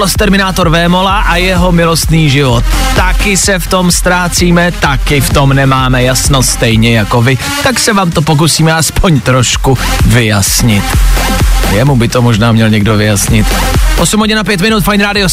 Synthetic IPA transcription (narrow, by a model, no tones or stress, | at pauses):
lost̪ɛɾmɪnaːt̪o̞ɾvɛːmo̞laʔajɛɦo̞mɪlo̞st̪niːʒɪvot̪ːakɪsɛft̪o̞mst̪ɾaːt͡siːmɛt̪akɪft̪o̞mnɛmaːmɛjasnost̪ɛjɲɛjako̞vɪ | t̪aksɛvaːmt̪o̞p̬ok̬usiːmɛaspo̞ɲt̪ɾo̞ʃkuvɪjasɲɪt̪ | jɛmubɪt̪o̞mo̞ʒnaːmɲɛlɲɛɡdo̞vɪjasɲɪt̪ | ʔosumɦoɟɪnap̬jɛt̪mɪnut̪fajnɾaːdɪo